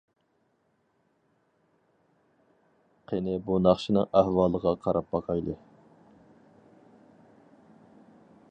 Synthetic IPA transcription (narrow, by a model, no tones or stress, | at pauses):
qʰenɪbunɑχʃinɨ̰ŋæhwɑːlˠəʁɑqʰɑɾɑp̚bɑqʰɑjd̪ˠɨ